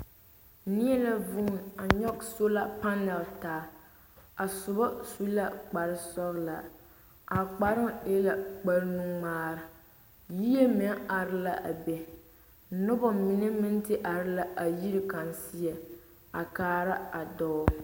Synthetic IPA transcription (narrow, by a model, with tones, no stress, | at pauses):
ni˦ɛ˦la˦vʊ˦˨na˨ɲɔ˦kso˦la˦pa˦nɛ˨ltaː˨ | a˨sʊ˨bɔ˦su˦la˦k͡pa˨ɾɪ˦sɔ˦ɣla˨ | a˨k͡pa˨ɾɪ˦e˦la˨k͡pa˦ɾnu˦ŋmaː˦ɾɨ˨ | ji˦e˦mɛ˨˦ŋa˨ɾɪ˦la˦ʔa˨bɛ˨˦ | nʊ˦bɔ˨mɪ˨nɛ˦mɪ˦n˦tɪ˦ʔa˨ɾɪ˦la˦ʔa˨ji˦ɾɪ˦ka˨n˨si˦ɛ˨ | a˨kaː˨˦ɾa˦a˨dɔː˦